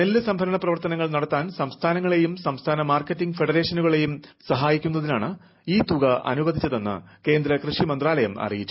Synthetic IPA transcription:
nelːɨsɐmbʱɐɾɐɳɐprɐʋɐrt̪ɐnɐŋːɐɭnɐɽɐt̪ːaːnsɐmst̪ʰaːnɐŋːɐɭe̞jumsɐmst̪ʰaːnɐmaːrkːɐtːiŋɡɨfe̞ɽɐɾe̞ːʂɐnuɣɐɭe̞jumsɐɦaːjikʲːunːɐðilaːɳɨ | iːt̪uɣɐʔɐ̰nuʋɐd̪ʱit͡ɕːɐðe̞nːɨ̰ke̞ːnd̪ɾɐkrɨʂimɐnd̪raːlɐjɐmɐ̰rijit͡ɕːu

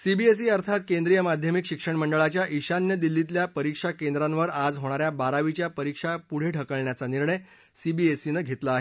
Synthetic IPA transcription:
sibiesiəɾt̪ʰat̪kend̪ɾijəmad̪ʱjəmikɕikʂəɳməɳɖəɭat͡ɕjaʔiɕanjəd̪ilːit̪̬ljapəɾikʂakend̪ɾãnʋəɾad͡zɦoɽ̃aɾjabaɾaʋit͡ɕjapəɾikʂapuɽ̤eʈʰəkəɭɳjat͡saniɾɳəj | sibiesinəɡʱet̪laːɦe

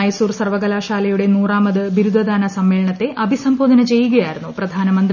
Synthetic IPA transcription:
ɐjsuːrsɐrʋɐɡɐlaːʃaːlɐjuɽe̞nuːraːmɐd̪ɨbiɾud̪ʱɐd̪aːnɐsɐmːeːlɐɳɐt̪ːe̞ʔɐbʱisɐmboːd̪ɐnɐt͡ɕe̞jːuɣɐjaːjiɾunːuprɐd̪ʱaːnɐmɐnd̪

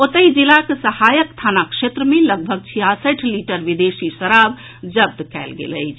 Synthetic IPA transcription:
ot̪əid͡ʒilakesəhajəkt̪ʰanakʃet̪ɾəmeləɡ̚bʱəɡ̚t͡ʃʰiɦasəʈʰliʈəɾʋid̪esisəɾab | d͡ʒəb̚d̪kɛ̰lɡḛlə̰ɪt͡ʃʰ

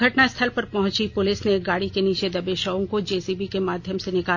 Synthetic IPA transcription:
ɐʈnast̪ʰəlpɐɾpɐɦʊ̃t͡ʃipʊlɪsneɡaːɽikeniːt͡ʃed̪ɐbeːʃaõkod͡ʒeːsibikemaːd̪ʱjəmsenɪkaː

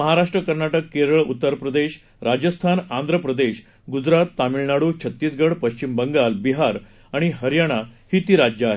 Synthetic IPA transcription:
məɦaɾaʂʈɾəkəɾnaʈəkːeɾəɭṵt̪ːəɾpɾəd̪eɕ | ɾad͡ʑəst̪ʰanand̪ʱɾəpɾəd̪eɕ | ɡud͡zɾat̪ːamiɭnaɽut͡ɕʰət̪ːiːsɡəɽpəɕt͡ɕimbəŋɡalbiɦaɾ | aɽ̃iɦəɾjaɽ̃ahiːt̪iːɾad͡ʑjəaɦe

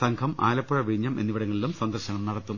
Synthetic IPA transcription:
sɐŋkʰɐma̰ːlɐpːɐɻɐʋiɲːɐmʔe̞nːiʋiɽɐŋːɐɭilumsɐnd̪ɐrɕɐŋɐmnɐɽɐt̪ːum

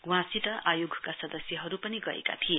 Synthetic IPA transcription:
uwãsiʈʌʔajoɡʱkasʌd̪ʌsjʌɦʌɾupʌniɡʌḛka̰t̪ʰie

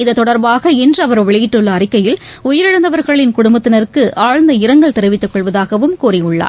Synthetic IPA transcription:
ɪðɐt̪ːɔɽɐɾbaːɣɐɛndrɐʋɐɾʋɛɭɪjɪʈːɯɭːɐːrɪkːɐjɪlʊjɪɾɪɽɐnd̪ɐʋɐɾɣɐɭɪnkʊɽʊmbɐt̪ːɪnɐɾɯkːɯʔaːɻnd̪ɐɪɾɐŋɡɐɭt̪ɛɾɯʋɪt̪ːɯkːɔɭʋɐðaːɣɐʋɯmkuːriʊɭːa̰ː

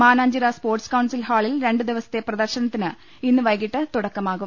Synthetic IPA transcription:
maːnaːɲd͡ʑiɾɐspoːrʈskɐwnsilhaːɭilɾe̞ɳɖɨd̪iʋɐsɐ̥t̪ːe̞prɐd̪ɐrɕɐnɐt̪ːinɨ | inːɨʋɐjɣiʈːɨt̪uɽɐkːɐmaːɣum

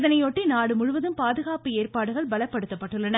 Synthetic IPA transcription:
ðɐnɐɪjɔʈːinaːɽɯmʊɻʊʋɐðɯmpaːðɯɣaːpɯeːrpaːɽɯɣɐɭbɐlɐpːɐɽɯt̪ːɐpːɐʈːɯɭːɐnɐ

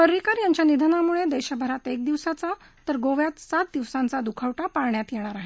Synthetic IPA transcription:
pəɾːikaɾjaɲt͡ɕjanid̪ʱənamuɭed̪eɕəbʱəɾat̪ek̚d̪iʋsat͡sa | t̪əɾɡoʋjat̪sat̪̚d̪iʋsãnt͡sad̪ukʰaʋʈapaɾɳjat̪jɛɭ̃aɾaɦe

